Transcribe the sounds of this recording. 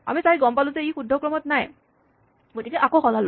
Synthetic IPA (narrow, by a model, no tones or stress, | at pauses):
a̰misajɡɔmpalʊ̃zɛixudʱːɔkɹɔmɔtnaj | ɡotikɛʔakoxɔlalʊ